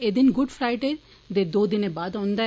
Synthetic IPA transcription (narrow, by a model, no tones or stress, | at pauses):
ed̪ɪnɡʊɖfɾaɪʈe | d̪ed̪oːd̪ɪnebaːd̪ɦõːnd̪a